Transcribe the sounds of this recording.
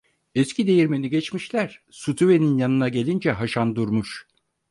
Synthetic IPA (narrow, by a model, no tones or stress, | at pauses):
ɛscʰid̪e̞jiɾme̞niɟɛt͡ʃmiʃlʲæɾ̥ | sut̪ʰuve̞ninjanɯnaɟe̞lʲind͡ʒɛɦaʃand̪uɾmuʃ